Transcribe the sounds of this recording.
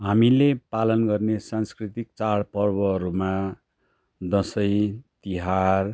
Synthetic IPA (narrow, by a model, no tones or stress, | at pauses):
ɦamilepalʌnɡʌrnesãnskrit̪ik̚t͡saɽpʌrbʌɾuma | d̪ʌsʌjt̪iɦar